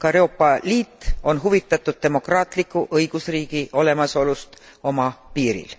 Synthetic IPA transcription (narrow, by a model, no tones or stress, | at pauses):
kɑeɾo̞ːpːˑɑliːt̪ːˑo̞nɦuvit̪ːˑɑt̪ːˑud̪̥̚t̪e̞mo̞krɑːt̪ˑlikːˑuʔɤjɡ̥usriːɡ̥iʔo̞le̞mɑso̞lust̪ | o̞mɑpiːɾḭl